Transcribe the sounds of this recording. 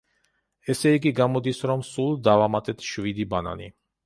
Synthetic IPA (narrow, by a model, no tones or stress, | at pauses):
ɛsɛiɡiɡamɔd̪isɾɔmsulˠd̪avamat̪ʼɛt̪ʰʃvid̪ibana̰nḭ